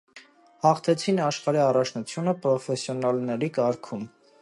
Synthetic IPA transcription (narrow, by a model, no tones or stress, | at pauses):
hɑχt̪ʰɛt͡sʰinɑʃχɑɾiɑrɑt͡ʃʰnut͡sʰjunəpɾɔfɛsjɔnɑlnɛɾikɑɾkʰum